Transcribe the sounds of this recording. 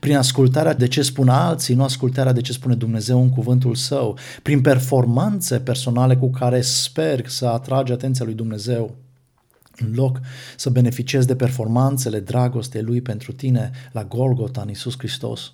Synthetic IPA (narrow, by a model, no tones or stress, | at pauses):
pɾinaskult̪̬aɾead̪e̞t͡ʃe̞spunalt̪sinuaskult̪aɾead̪et͡ʃe̞spune̞d̪umne̞ze̞wɨŋkuvɨnt̪̬ulsəw | pɾinpe̞rfo̞rmant̪se̞pe̞rso̞nale̞kukaɾe̞spe̞rsəat̪ɾad͡ʒat̪nt̪sialujd̪umne̞ze̞w | ɨnlo̞ksəbe̞ne̞fit͡ʃie̞zd̪e̞pe̞rfo̞rmant̪se̞le̞d̪ɾaɡo̞st̪elujpe̞nt̪ɾut̪ine̞laɡo̞lɡo̞t̪anisuskɾist̪o̞̰s